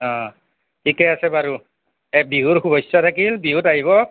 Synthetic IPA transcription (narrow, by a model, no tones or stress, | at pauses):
ɔ̃ | tʰikɛasɛbaɹu | ɛbiɦuɹxubɔjsɔtʰakilbiɦutaɦiβɔ